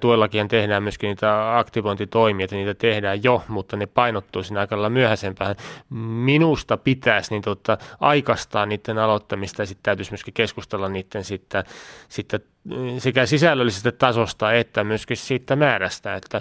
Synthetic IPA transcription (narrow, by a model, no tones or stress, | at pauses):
t̪uoelːɑkihɑnt̪ehdæːmmyøskiniːt̪æɑkt̪iʋont̪it̪oimiɑt̪ɑniːt̪æt̪ehdæːjjomut̪ːɑnepɑinot̪ːuːsinːɑikɑelːɑmyøhæsempæːhænminust̪ɑpit̪æːsnint̪ot̪ːɑʔɑikɑst̪ɑːnniːt̪ːenɑlot̪ːɑmist̪ɑjɑsit̪t̪æyt̪ysmyøskikeskust̪elːɑnniːt̪ːensit̪ːæsit̪ːæ | sekæsisælːølːisest̪æt̪ɑsost̪ɑet̪ːæmyøskissiːt̪ːæmæːræst̪æ̰et̪ːæ